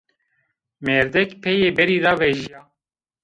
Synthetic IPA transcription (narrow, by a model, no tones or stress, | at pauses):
mɛɾd̪ɛkpʰɛjeːbɛɾiːdɑːvɛʒiaː